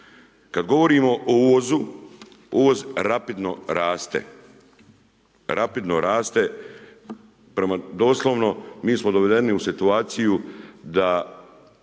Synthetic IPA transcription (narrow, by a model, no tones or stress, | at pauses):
kad̪ɡo̞ʋo̞ɾiːmo̞ʔouʋozu | uʋozɾapid̪no̞ɾaːst̪ḛ | ɾapid̪noɾaːst̪e | pɾemad̪oːslˠoʋno̞miːsmod̪o̞ʋe̞d̪e̞niusit̪uaːt̪sijud̪a